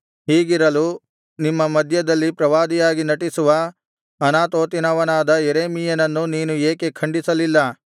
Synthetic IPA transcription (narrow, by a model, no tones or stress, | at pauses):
ɦiːɡiɾɐlu | nimːɐmɐd̪ʱjɐd̪ɐlːipɾɐʋaːd̪ijaːɡinɐʈisuʋɐ | ɐnaːt̪oːt̪inɐʋɐnaːd̪ɐjeɾeːmijɐnɐnːuniːnueːkekʰɐɳɖisɐlilːɐ